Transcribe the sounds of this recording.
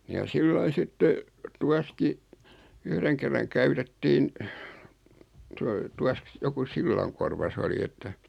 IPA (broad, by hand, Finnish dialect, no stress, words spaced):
jɑ silːɑi sitːe tuɑski yhreŋ kerːɑŋ kæytetːiːn toi tuɑsk joku silːɑŋkorʋɑ s oli etːæ